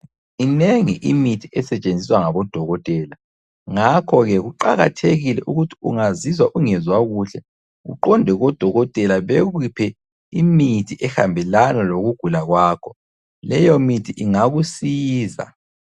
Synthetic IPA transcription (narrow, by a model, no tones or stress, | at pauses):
ineŋiʔimitʰiɛsɛt͡ʃʼend͡zʱiswaŋaβɔd̥ʱɔɣɔtʼɛːla | ŋakʰɔɣɛɣuǃaɣa̰tʰeɣilɛʔuɣutʰi̥uŋazizwaʔuŋɛzwaɣuɬɛ | ɣṵǃɔndʱɛɣɔd̥ʱɔɣɔtʼɛlaβeɣupʰɛ | imitʰiʔɛxa̰mbʱɛlanaloɣuɡ̥ʱulaɣwaːkʰɔ̥ | lɛjɔmitʰiʔiŋaɣusiːza̰